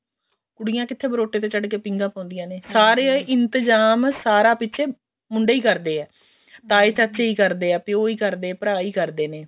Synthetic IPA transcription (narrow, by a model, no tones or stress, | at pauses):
kʊɽɪjãːkɪt̪ʰːeːbəɾoːʈːeːt̪̬eːt͡ʃəɖkeːpɪ̃ŋɡãːpãːnd̪ɪjãːneːsaːɾeːʔɪnt̪əd͡ʒaːmsaːɾaːpɪtːʃʰeː | mʊɳɖeːiːkəɾd̪eːɛː | t̪aːeːt͡ʃəːt͡ʃeːiːkəɾd̪eːɛːpɪoːiːkəɾd̪eːpəɾaːiːkəɾd̪eːneː